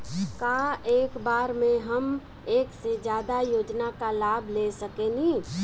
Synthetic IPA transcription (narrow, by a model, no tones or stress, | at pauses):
kaːeːkbaːɾmẽɦɐm | eːksed͡ʒjaːd̪ajoːd͡ʒnakalaːbʱleːsəkenĩː